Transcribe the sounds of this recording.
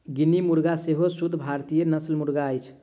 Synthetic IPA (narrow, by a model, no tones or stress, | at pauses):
ɡinimuɾɡaseɦosud̪ʱbʱaɾt̪ijenəslmuɾɡaəjt͡ʃʰ